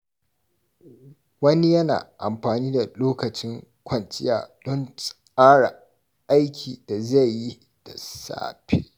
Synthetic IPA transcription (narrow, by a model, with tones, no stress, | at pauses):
wɐ˦ni˦jɐ˦na̰ː˨ʔa̰˨mɸaː˨niː˦da˨loː˦kɐ˨t͡ʃɪ˦ŋkʷɐ˨ntɪ˦ja̰ː˨ɗɔ˦nsʼ | aː˦ɽa̰˨ | ʔa˦jkʲʰiː˨da˨za˦˨jːi˦ | d̥a̰˨sa̰ː˦ɸḛː˦